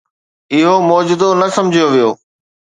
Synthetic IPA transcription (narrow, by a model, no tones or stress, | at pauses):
ɪɦomɔːd͡ʑʊd̪onɐsɐ̃md͡ʑʱijoʋijoː